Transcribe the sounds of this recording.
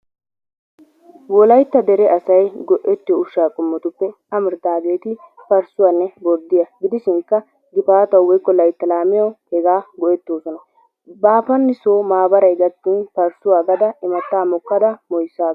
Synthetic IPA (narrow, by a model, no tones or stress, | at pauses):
wɔlɐjt̪ːɐd̪ɛɾɛɐsɐjɡɔʔɛt̪ːɪjɔʊʃːaːkʼʊmːɔt̪ʊpːɛ | ɐmɪɾt̪aːbeːt̪ɪpɐɾsʊwanːɛbɔɾd̪ɪjɐɡɪd̪ɪʃɪŋkːɐ | ɡɪpaːt̪ɐwwɔjkːɔlɐjt̪ːɐlaːmɪjɔhɛɡaːɡɔʔɛt̪ːoːsɔnɐ | baːfɐnːɪsoːmaːbɐɾɐjɡɐt̪ːiːnpɐɾsʊwaːɡɐd̪ɐɪmɐt̪ːaːmɔkːɐd̪ɐmɔjsːaː